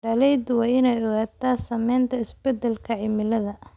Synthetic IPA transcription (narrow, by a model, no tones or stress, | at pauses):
ɖɐlɛjd̪wɑːɪnɛjɔɣaːt̪ʰaːsɐmɛjnt̪ʰɐɪsbɛd̪ɛlkʰɐʕɪmɪlɐðɐ